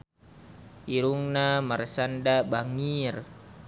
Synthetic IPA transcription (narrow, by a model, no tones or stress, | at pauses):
iɾuŋnamaɾesandabaŋir